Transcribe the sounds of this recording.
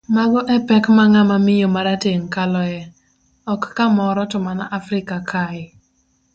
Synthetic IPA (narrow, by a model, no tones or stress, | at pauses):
maɡɔʔɛpɛkmaŋamamɪjomaɾateŋkalɔɛ | ɔkːamɔɾɔtʊmanaʔafɾɪkakʰaɪ